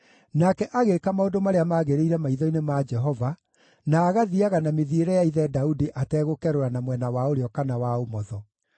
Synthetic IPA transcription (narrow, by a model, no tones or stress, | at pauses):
nakɛʔaɣekamaodomaɾeamaːɣeɾeiɾɛmaiðɔinemad͡ʒɛɦɔva | naːɣaðiaɣanameðieɾɛjaiðɛdaudiʔatɛːɣokɛɾoɾanamwɛnawaoɾeɔkanawaomɔðɔ